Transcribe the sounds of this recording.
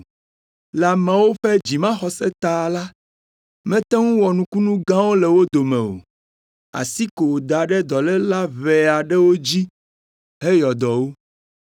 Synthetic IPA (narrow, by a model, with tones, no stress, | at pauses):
la˨mã˨wo˦ɸɛ˦d͡ʑi˨mã˦xɔ˨sɛ˦t̪a˨la˦ | mɛ̃˦t̪ɛ˦ŋũ˦wɔ˨nũ˨ku˦nũ˦ɡã˦wo˦lɛ˨wo˦d̪o˨mɛ̃˨o̰˨ | a̰˨si˦ko˨wo˨d̪a˨ɖɛ˦d̪ɔ˨lɛ˦la˦βɛ˨a˨ɖɛ˦wo˦d͡ʑi˦ | ɦe˦jɔ˨d̪ɔ˨wo˦